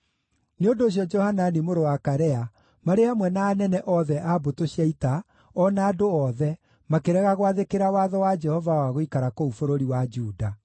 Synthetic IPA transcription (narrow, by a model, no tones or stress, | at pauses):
neondoːɕ̬jɔd͡ʒɔhananimoɾowakaɾɛa | maɾeamwɛnaːnɛnɛʔɔðɛʔabotoɕiaita | ɔnaːdoɔðɛ | makeɾɛɣaɣoaðekeɾawaðɔwad͡ʒɛhɔvawaɣoikaɾakoufoɾoɾiwad͡ʒuːda